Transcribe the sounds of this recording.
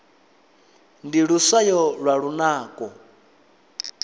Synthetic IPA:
ndiɺusajɔɺwaɺunaːkʼɔ

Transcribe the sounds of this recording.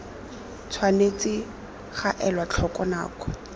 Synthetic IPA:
t͡sʰwanet͡sɪ | χaʔɛlwat͡ɬʰɔkɔna̰ːkɔ

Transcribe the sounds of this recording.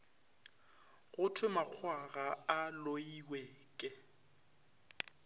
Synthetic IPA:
ɣʊtʰwɪmaq͡χʰwaɣaaloiwɛːkʼɪ

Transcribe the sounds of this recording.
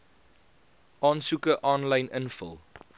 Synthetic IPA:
ʔɑːnsukəʔɑːnlɐjnənfə̰lˠ

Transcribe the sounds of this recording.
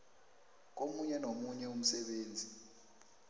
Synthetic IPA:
k̬omuɲɛnomuɲɛum̩sɛɓeːnd͡zʱi

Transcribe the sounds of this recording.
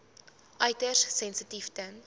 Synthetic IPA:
ʔɐjtəssɛnsətiftən

